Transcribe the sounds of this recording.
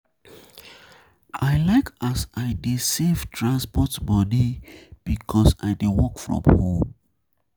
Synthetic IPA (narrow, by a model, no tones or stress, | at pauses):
ʔaɪlaɪkasaɪdesevtʰɹãnspɔtbɔdib̥ikʰɔsa̰ɪdewɔkfɹɔ̰̃mhõm